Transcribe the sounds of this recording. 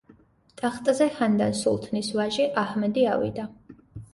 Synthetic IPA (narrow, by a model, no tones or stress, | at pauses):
d̪̥ʼaχt̪ʼzɛhand̪ansṵlˠt̪ʰnisvaʒiʔahmɛd̪ia̰vḭd̪a